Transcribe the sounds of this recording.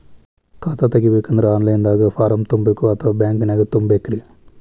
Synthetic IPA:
kaːt̪ʰat̪ɐɡibeːkːɐnd̪ɐɾaːnlɐjnd̪aːɣɐfaːɾɐmt̪umbekːuɐt̪ʰːɐʋaːbjaːŋkɨnaːɡɐt̪umbekːɾi

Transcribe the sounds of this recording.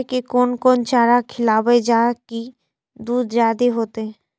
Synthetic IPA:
kekonkont͡ʃaɾakʰilabed͡ʑaki | d̪ud̪ʱd͡ʒad̪eɦot̪e

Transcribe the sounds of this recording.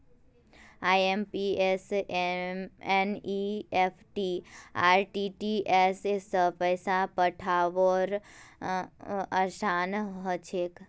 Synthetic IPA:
aːjempies | eniepʰʈia̰ːɾʈiʈiʔesesəpəjsapəʈʰaʋoɾ | əʃanɦət͡ʃʰek

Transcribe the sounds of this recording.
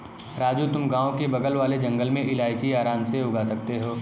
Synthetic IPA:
ɾaːd͡ʒut̪ʊmɡãːõkebɐɡəlʋaːled͡ʒɐ̃ŋɡəlmẽʔɪlaːɪt͡ʃiaːɾaːmseʊɡaːsɐk̚t̪eɦoː

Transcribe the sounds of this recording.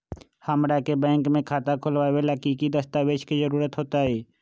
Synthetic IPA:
həmɾakebɛ̃ːŋkmẽkʰaːt̪akʰʊlʋaːweləkikid̪əst̪aːʋeːʃkizəɾuːɾət̪ɦoːt̪aɦɛː

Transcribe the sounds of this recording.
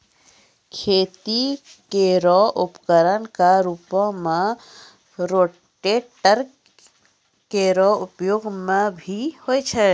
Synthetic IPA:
kʰet̪i | keɾɔʔupkəɾənkaɾupɔ̃me | ɾoʈeʈəɾ | keɾɔupjoɡmebʱihojt͡ʃʰə

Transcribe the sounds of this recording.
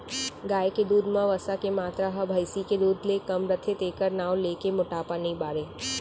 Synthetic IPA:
ɡaːjeked̪uːd̪mãʋəsakemaːt̪ɾaɦɐbʱəjsiked̪uːd̪ʱlekɐmɾət̪ʰet̪eːkəɾnaːwleːkemʊʈaːpanibaːɾeː

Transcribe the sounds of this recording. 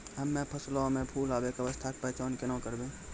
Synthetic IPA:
ɦəmːẽpʰəslomẽpʰuːlaːbekəʋəst̪ʰaːk̚pɛːt͡ʃaːnkenãːkəɾbẽː

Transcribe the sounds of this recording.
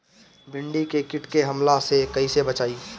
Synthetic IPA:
bɪ̃ɳɖikekɪʈkeɦɐmlasekɐisebɐt͡ʃaːiː

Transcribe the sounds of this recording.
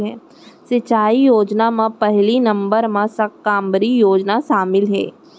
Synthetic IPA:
ɦɛː | sɪt͡ʃaːijoːd͡ʒnamãpɛɦlinɐ̃mbəɾmãsɐkːãːmbəɾijoːd͡ʒnaʃaːmɪlɦɛ̰ː

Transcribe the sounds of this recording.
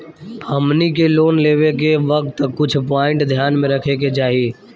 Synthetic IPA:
həmnikeloːnleːʋekeʋək̚t̪kʊt͡ʃʰpaːɪ̃ɳʈd̪ʱjaːnmẽɾəkʰeked͡ʒaːɦieː

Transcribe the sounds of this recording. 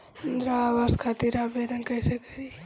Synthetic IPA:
ənd̪ɾaːʋaːskʰaːt̪iɾaːbed̪ənkəjsekəɾi

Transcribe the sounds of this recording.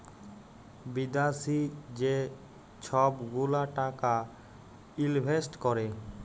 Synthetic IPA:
bid̪asid͡ʒe | t͡ʃʰɔbɡulaʈaka | ilbʱesʈkɔɾe

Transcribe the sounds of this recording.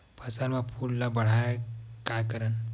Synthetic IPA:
pʰəsaɾmapʰullabəɽ̤ajkajkəɾən

